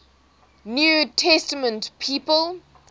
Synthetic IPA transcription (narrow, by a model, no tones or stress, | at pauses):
njuːtʰɛstəmə̃ntpʰiːpəl